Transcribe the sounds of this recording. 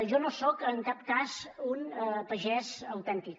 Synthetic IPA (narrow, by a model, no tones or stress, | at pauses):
ʒɔnosɔkəŋkap̚kazunəpəʒɛzəwt̪ɛnt̪ik̚